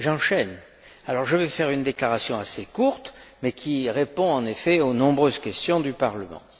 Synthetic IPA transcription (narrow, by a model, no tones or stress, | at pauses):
ʒɑ̃ʃɛn | alɔʁʒəvɛfɛʁynd̪eklaʁasjɔ̃asekuʁt̪mɛkʲʰiʁepɔ̃ɑ̃nefɛonɔ̃bʁøzkʲɛst̪jɔ̃d̪ypaʁləmɑ̰̃